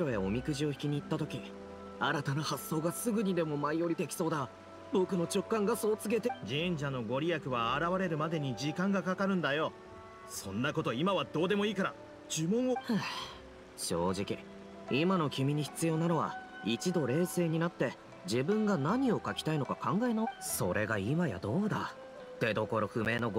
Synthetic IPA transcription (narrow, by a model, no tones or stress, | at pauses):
ɾo̞eo̞mʲikɯ̟ʑio̞çi̥kʲiɲ̟iːt̪ːat̪o̞kʲi | aɾat̪anahasːo̞ːɡasɨɡɯ̟ɲ̟id̪e̞mo̞maioɾʲit̪e̞kʲi̥so̞ːd̪a | bo̞kɯ̟no̞t͡ɕo̞kːãŋɡaso̞ːt͡sɨɡe̞t̪e̞d͡ʑĩɲ̟d͡ʑano̞ɡo̞ɾʲijakɯ̟βaːɾaβaɾe̞ɾɯ̟mad̪e̞ɲ̟id͡ʑikãŋɡakakaɾɯ̟̃nd̪ajo̞ | sõ̞nːako̞t̪o̞imaβad̪o̞ːd̪e̞mo̞iːkaɾa | d͡ʑɨmõ̞ɰ̃o | ɕo̞ːʑikʲi | imano̞kʲimʲiɲ̟içi̥t͡sɨjo̞ːnano̞βa̰ | it͡ɕid̪o̞ɾe̞ːse̞ːɲ̟inat̪ːe̞ | d͡ʑibɯ̟̃ŋɡanaɲ̟io̞kakʲi̥t̪aino̞kakʰãŋɡae̞naso̞ɾʔe̞ɡaimaja̰d̪o̞ːd̪a̰ | t̪e̞d̪o̞ko̞ɾo̞ɸɯ̟me̞ːno̞ɡ